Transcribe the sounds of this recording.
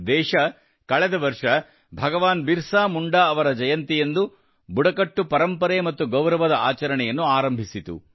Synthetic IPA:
d̪ɛːʃɐ | kɐɭɛd̪ɐʋɐɾʂɐ | bʱɐɡɐʋaːnbiɾsaːmuɳɖaɐʋɐɾɐd͡ʒɐjɐnt̪ijend̪u | buɽɐkɐʈːupɐɾɐmpɐɾemɐt̪ːuɡɐwɾɐʋɐd̪ɐaːt͡ʃɐɾɐɳɛjɐnːuaːɾɐmbʱisit̪ṵ

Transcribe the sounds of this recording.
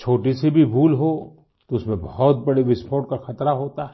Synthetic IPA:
t͡ʃʰoːʈisebʱibʱuːlɦo | t̪oʊsmẽbɔɦɔt̪̚bɐɽeʋɪspʰoːʈ̚kaxɐt̪ɾaɦoːt̪aɦɛ

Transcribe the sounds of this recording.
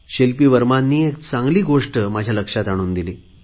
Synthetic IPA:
ɕelpiːʋəɾmanːiːekt͡sãŋɡliːɡoʂʈəmad͡ʑʱjaləkʂat̪aɽ̃uːnd̪iliː

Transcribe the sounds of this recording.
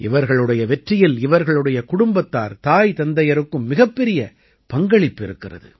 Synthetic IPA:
ʔɪʋɐɾɣɐɭɯɽɐjɐʋɛʈrɪjɪlɪʋɐɾɣɐɭɯɽɐjɐkʊɽʊmbɐt̪ːaːɾt̪aːjt̪ɐnd̪ɐjɐɾɯkːɯmːɪɣɐpːɛɾɪjɐ | pɐŋɡɐɭɪpːɪɾɯkːɪrɐ̰ðɯ̰

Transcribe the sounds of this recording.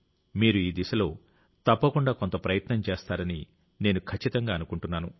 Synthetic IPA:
miːɾuiːd̪isɐlo̞ː | t̪ɐpːɐkuɳɖaːkont̪ɐpɾɐjɐt̪nɐmt͡ʃeːst̪aːɾɐni | ne̞ːnukʰɐt͡ʃːit̪ɐŋɡaːɐnukuɳʈunːaːnu

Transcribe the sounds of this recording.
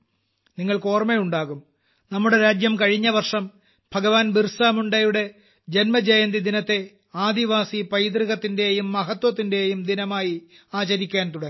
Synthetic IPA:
niŋːɐɭko̞ːrmejuɳɖaːɣum | nɐmːuɽe̞ɾaːd͡ʑjɐmkɐɻiɲːɐʋɐrʂɐm | b̥ʱɐɣɐʋaːnbirsaːmuɳɖɐjuɽe̞ | d͡ʑenmɐd͡ʑɐjɐnd̪id̪inɐt̪ːe̞ | aːd̪iʋaːsipɐjd̪riɣɐt̪ːinde̞jumːɐɦɐt̪wɐt̪̬ːinde̞jumd̪inɐmaːji | aːt͡ɕɐɾikʲːaːnt̪uɽɐ

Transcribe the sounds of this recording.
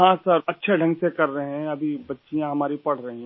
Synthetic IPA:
ɦãːsɐɾɐtːʃʰeɖʱɐ̃ŋɡsekɐɾːɐɦɛ̃ɐbʱibɐtːʃijãɦɐmaːɾipɐɽ̤ɾɐɦĩɦ

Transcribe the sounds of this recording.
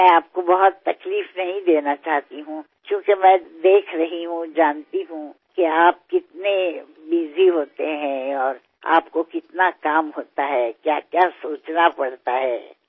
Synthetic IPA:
mɛ̃aːp̚kobɐɦʊt̪ːɐkliːfnɐɦĩd̪eːnat͡ʃaːɦt̪iɦũ | kjõːkemɛ̃ːd̪eːkʰɾɐɦiɦũd͡ʒaːnt̪iɦũ | kiaːp̚kɪt̪ne | biːziɦoːt̪eɦɛ̃ɔːɾ | a̰ːpkokɪt̪nakaːmɦoːt̪aɦɛkjaːkjaːsoːt͡ʃnapɐɽt̪aɦɛː

